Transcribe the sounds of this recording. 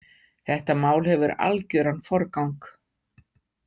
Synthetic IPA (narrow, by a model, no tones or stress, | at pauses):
θɛht̪amaːwlhɛvʏɾa̰lcʏɾanːfɔɾkawŋk